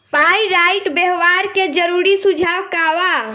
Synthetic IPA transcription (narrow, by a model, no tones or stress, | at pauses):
pʰajɾaɪʈbeɦʋaɾked͡ʒəɾuɾisud͡ʒʱawkaʋa